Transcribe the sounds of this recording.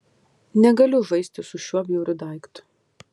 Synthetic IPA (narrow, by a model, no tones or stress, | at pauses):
nʲɛɡɐlʲʊʒɐɪsʲt̪ʲɪsʊʃʲuɔbʲjuʊɾʲʊd̪ɑˑɪkt̪